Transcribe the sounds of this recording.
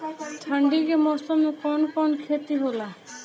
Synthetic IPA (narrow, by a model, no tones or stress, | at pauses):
tʰaɳɖiɾemɔsɔmekɔnɔkɔnɔkʰet̪iɦola